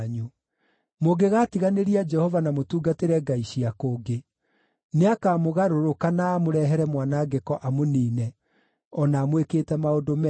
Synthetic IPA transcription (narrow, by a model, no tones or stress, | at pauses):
ɲu | moɡeɣaːtiɣaneɾiad͡ʒɛhɔvanamotuːɡateɾɛɡaiɕiakoːɡe | neakaːmoɣaɾoɾokanaːmoɾɛɦɛɾɛmwanaːɡekɔʔamoniːnɛ | ɔnaːmwekeːtɛmaodomɛ